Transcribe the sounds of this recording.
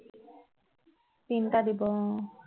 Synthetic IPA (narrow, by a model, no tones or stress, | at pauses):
tint̪ad̪ibɔ